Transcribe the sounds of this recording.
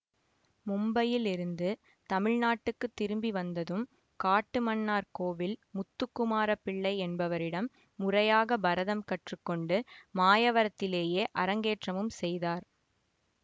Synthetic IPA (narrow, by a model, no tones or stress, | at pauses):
mʊmbɐjɪlɪɾɯnd̪ɯ | t̪ɐmɪɻnaːʈːɯkːɯt̪ːɪɾɯmbiʋɐnd̪ɐðɯm | kaːʈːɯmɐnːaːɾkoːʋɪlmʊt̪ːɯkːʊmaːɾɐpːɪɭːɐɪɛnbɐʋɐɾɪɽɐmː | ʊrɐjaːɣɐbɐɾɐðɐmkɐʈrɯkːɔɳɖɯmaːjɐʋɐɾɐt̪ːɪleːjeːʔɐɾɐŋɡeːʈrɐmɯmsɛjðaːɾ